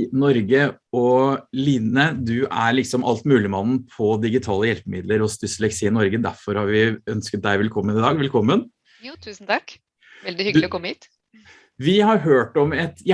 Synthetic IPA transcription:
nɔɾɡəɔliːnəd̪ʉʔæɭɪksɔmʔɑ̰lt̪mʉːlɪmɑnn̩pʰɔd̪ɪɡɪt̪ʰɑːləjɛlpəmɪd̪ləɾɔst̪ʏsəlɛksiːnɔɾɡəd̪æɾfɔɾhɑɾʋɪœnskət̪̚d̪æɪʋɛlkʰɔmːənɪd̪ɑːɡʋɛlkʰɔmːənʰ | ʉːsn̩t̪ʰɑk | ʋɛld̪ɪhʏɡlɪɔkɔmːəiːt̪ | ʋɪhɑɾɦøːʈɔmɛt̪

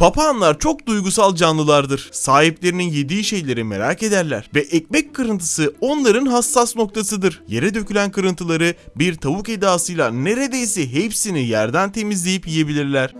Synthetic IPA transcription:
pʰapʰaːnlˠaɾt͡ʃʰo̞k̚d̪ujɡusalˠd͡ʒanlˠɯlˠaɾd̪ɯɾ̥saːɦiplʲe̞ɾininjed̪iːʃe̞jlʲe̞ɾime̞ɾaːke̞d̪æɾlʲæ̰ɾ̥vɛʔɛmɛckʰɯɾɯnt̪ʰɯ̥sɯo̞nlˠaɾɯnɦasːasno̞k̚t̪ʰasɯd̪ɯɾje̞̰ɾɛd̪ø̞cʰylʲænkʰɯɾɯnt̪ʰɯlˠaɾɯbiɾt̪ʰabuked̪aːsɯjlˠane̞ɾe̞d̪e̞jsɛɦepsinijæɾd̪ænt̪ʰe̞mizlʲe̞jipjije̞bilʲiɾlʲæɾ̥

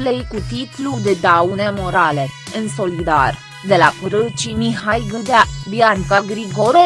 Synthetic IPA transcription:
lejkut̪it̪lud̪ed̪awne̞mo̞ɾale̞ɨnso̞lid̪a̰r | d̪e̞lakɾət͡ʃimiɦajɡɨd̪ad̪iaŋkaɡɾikoɾo

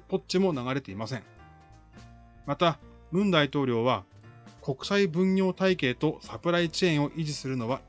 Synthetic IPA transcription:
po̞tt͡ɕimo̞naɣaɾe̞t̪e̞imasẽ̞ŋ | mat̪a | ɾɯ̟̃nd̪ait̪o̞ːɾʲo̞ːβa | ko̞kɯ̟̥saibɯ̟̃ɲjʲo̞ːt̪aike̞ːt̪o̞sapɯ̟ɾait͡ɕiẽɰ̃o̞ʔiʑisɨɾɯ̟no̞β̞a

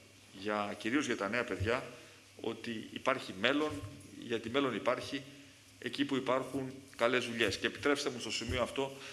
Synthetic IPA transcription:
ʝɐciɾio̞zʝɐt̪ɐne̞ɐpe̞ðʝɐ | o̞̰t̪iḭpɐɾçime̞lo̞nʝɐt̪ime̞lo̞nipɐɾçi | e̞̰cipuipɐɾxuŋkɐle̞zvuʎe̞sce̞ːpi̥t̪ɾe̞pst̪emust̪o̞simio̞ɐft̪o̞

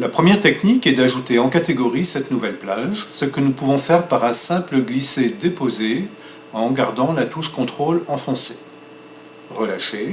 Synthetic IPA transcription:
lapχəmjɛʁt̪ɛknikɛd̪aʒut̪eɑ̃kat̪eɡɔʁisɛt̪nuvɛlplaʒsəkənupuvɔ̃fɛʁpaʁɛ̃sɛ̃pləɡlised̪epoze | ɑ̃ɡaʁd̪ɑ̃lat̪uʃkɔ̃t̪χolɑ̃fɔ̃se̥ | ʁəlaʃe

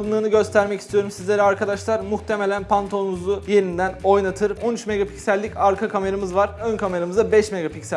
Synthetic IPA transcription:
bɯnˠɯːnɯɟø̞st̪ʰæɾmɛcist̪ijo̞ɾumsizlʲe̞ɾiaɾkʰad̪aʃlˠaɾmuxt̪ʰe̞me̞lʲænpʰant̪ʰo̞nuzuje̞ɾind̪æno̞jnat̪ʰɯɾo̞nyt͡ʃmeɡapʰi̥csælʲːicaɾkʰakʰame̞ɾamɯzvaɾønkʰame̞ɾamɯzabɛʃmeɡapicsæ

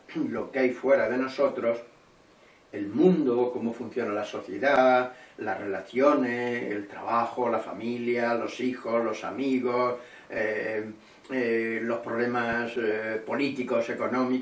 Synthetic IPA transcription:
lo̞keajfwe̞ɾaðe̞no̞so̞t̪ɾo̞s | e̞lmũnd̪okomo̞fun̟θjo̞nalaso̞θje̞̰ðalarre̞laθjo̞nesḛlt̪ɾa̰βaxolafa̰miljalo̞sixo̞zlo̞sa̰miɣos | e | lo̞hpɾo̞βlemaspo̞lit̪iko̞se̞ko̞nõmi

